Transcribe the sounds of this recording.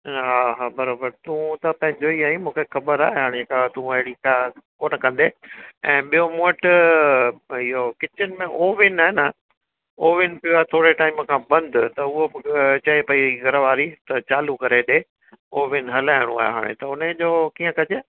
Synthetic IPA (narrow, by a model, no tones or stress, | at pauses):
ɦaːɦaːbɐɾaːbəɾt̪ũt̪ɐpɐ̃ɦɪ̃ɲd͡ʑoiaːĩmũːkʰexɐbəɾa̰ːɦeeɦaːɽ̃ekat̪ũɐɦɪɽikakoːnəkɐ̃nd̪eɛ̃ːɓijomoːʈ | ɪɦokɪt͡ɕɪnɪ̆mẽʔoːʋɪnaːɦenɐ | oːʋɪnpjuaːɦet̪ʰoːɽeʈaːɪmkʰãːbɐ̃nd̪ʱʊt̪ɐʊɦot͡ɕɐepɐiɡɐɾəʋaːɾit̪ɐt͡ɕaːlukɐɾeɗe | oːʋɪnɦɐlaːɪɽ̃ṵ̃a̰ːj̰ɦa̰ːɽ̃ḛt̪ɐʊned͡ʑoːkiːə̃kɐd͡ʑeː